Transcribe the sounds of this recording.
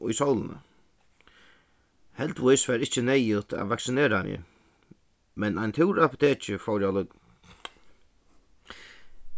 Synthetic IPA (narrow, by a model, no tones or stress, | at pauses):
ʊ̰jsɔwlənə̰ | hɛlt̪vʊjsvaɾɪht͡ʃənɛjʊt̪a̰vaksɪneːɾamjɪ̰ | mɛnajnt̪ʰɪwɾapʊt̪ʰeːt͡ʃɪfɔwɾjalʊk